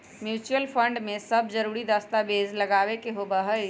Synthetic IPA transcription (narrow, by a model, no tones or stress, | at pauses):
mjut͡ʃuəlpʰəɳɖmesəb̚ʱd͡ʒəɾuɾid̪əst̪abezləɡaβekeɦobəɦəj